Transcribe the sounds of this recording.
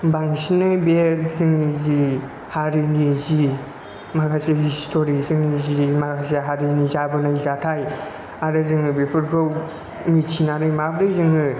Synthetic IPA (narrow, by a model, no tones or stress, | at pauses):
baŋsinɯjbezɯŋizi | haɾinizi | makʰasehistʰoɾizɯŋnizimakʰaseɦaɾinizabɯnajzatʰaj | aɾɯzɯŋɯbepʰɯɾɡow | mit͡ʃʰinaɾɯjmabɾɯzɯŋɯ